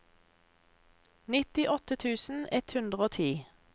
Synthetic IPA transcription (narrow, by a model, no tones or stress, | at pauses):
nɪt̪ɪʔɔt̪ət̪ʰʉːsn̩ɛt̪hʉnd̪ʁəoːt̪ʰiː